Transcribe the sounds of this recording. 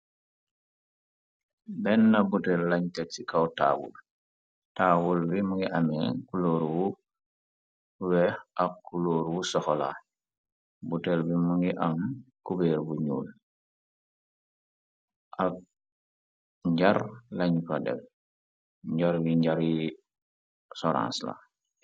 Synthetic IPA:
bɛnːabutɛlːaɲtɛt̚sikawta̰ːbṵl | taːbulbimuŋɡiʔamɛ̰kuloːɾwu | wɛakːuloːɾwusɔxɔla̰ | butɛlbimuŋɡiʔamkubɛːɾbuɲṵːl | ʔa | ɲɟaɾlaɲpadɛ̰f | ɲɟaɾwiɲɟaɾi | sɔɾã̰ːnsla̰

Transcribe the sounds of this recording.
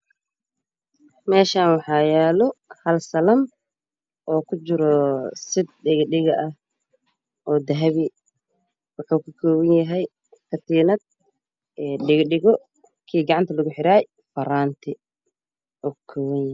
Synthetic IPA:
mɛːʃaːnwɑħɑːjɛːlɔhɐlsɐlɐm | ʔɔːkʰʊt͡ʃɪɾɔsɪd̪ɖɪɣɖɪɣɐʔɐh | ʔɔːd̪ɐɦɐβɪ | wɐkʰɐkʰɐkʰɔːwɐnjɐɦɛj | kʰɐt̪ʰiːnɐd̪̚ | ɛːɖɪɣɖɪɣɔ | kʰiːɡɑʕɑnt̪ʰɐlɐɣʊħɪɾaːj | fɐɾaːnt̪ʰɪ | ʔɔːkʰɔːwɐnjɐ

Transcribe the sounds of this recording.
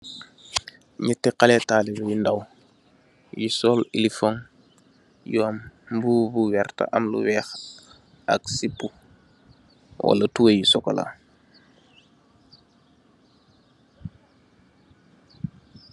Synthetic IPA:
ɲitɛqalɛtaːlibujindaw | jisɔlilifoŋ | juambubuwɛrta̰ʔɐmlṵwɛːx | ɐ̰ksipːu | wa̰lɐtuwejisɔko̰la̰

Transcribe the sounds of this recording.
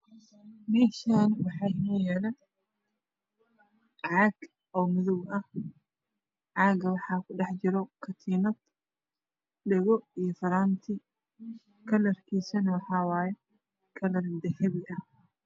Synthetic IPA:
miʃanwɑħɑːmɛːjaːnɐ | ʕɑːɡ | ɔːmʊðʊwɐh | ʕɑːɡɐwɑħɑːkʰʊɖɑħt͡ʃɪɾɔkʰɐt̪ʰiːnɐd̪ | ɖɛɣɔijɔfɐɾaːnt̪ʰɪ | kʰɐlɐrkʰiːsɐnwɑħɑːwaːjɛ | kʰɐlɐɾd̪ɐhɛβɪʔɐh

